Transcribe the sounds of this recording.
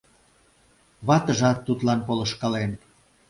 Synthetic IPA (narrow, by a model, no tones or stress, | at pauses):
βɑt̪əʒɑt̪ːut̪lɑnpolə̆ʃkɑlen